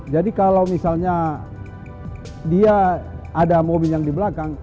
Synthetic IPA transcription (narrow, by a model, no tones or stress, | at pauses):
d͡ʒadikalawmisalɲa | diaːdamobiljaŋdibəlakaŋ